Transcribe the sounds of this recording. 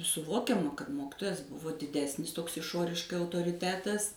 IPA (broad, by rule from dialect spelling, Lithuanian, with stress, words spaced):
sʊˈʋoːkʲɛmɐ kɐt ˈmoːkʲɪtoːjɛs ˈbʊʋoː dʲɪˈdʲæːsʲnʲɪs ˈtoːks ɪˈʃoːrʲɪʃkɐɪ ɐʊtoːrʲɪˈtʲæːtɐs